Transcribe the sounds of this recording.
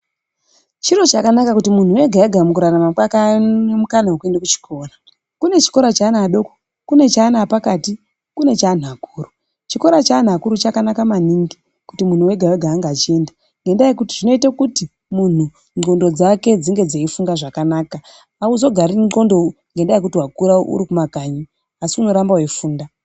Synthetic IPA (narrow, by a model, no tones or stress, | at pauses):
t͡ʃiɾo̞t͡ʃakanakakutimun̤uwe̞ɡʱajaɡʱamukuɾaramaɓakaemukanawokue̞ndakut͡ʃi̥kʰo̞ːra | kune̞t͡ʃi̥ko̞ɾat͡ʃaːnaːɗo̞ko | kune̞t͡ʃaːnaːpakati | kune̞t͡ʃan̤akuːru | t͡ʃiko̞ɾat͡ʃan̤akuɾut͡ʃakanakamaniŋɡi | kutimun̤uwe̞ɡʱaweɡʱaːŋɡaːt͡ʃie̞nda | ŋɡendajekutiʐ̥ino̞itakuti | mun̤u | no̞ndo̞d͡zake̞d͡ziŋɡe̞d͡zeifuŋɡaʐakanaːkaː | uzo̞ɡʱaɾino̞ndoŋɡendajekutiwakuɾao̰ʔṵɾikumakaɲi | asiuno̞ɾambawifuːnda